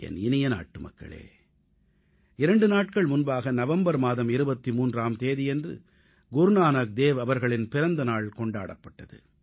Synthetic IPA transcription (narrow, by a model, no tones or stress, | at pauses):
ɛ̰nɪnɪjɐna̰ːʈːɯmɐ̰kːɐ̰ɭḛː | ɪɾɐɳɖɯnaːʈ̚kɐɭmʊnbaːɣɐnɐʋɐmbɐɾmaːðɐmɪɾɯbɐt̪ːimuːndraːmt̪eːðɪjɛndrɯ̰ | ɡʊɾɯnaːnak̚d̪eːʋɐʋɐɾɣɐɭɪnpɪɾɐnd̪ɐnaːɭkɔɳɖa̰ːɽɐpːɐʈːɐðɯ̰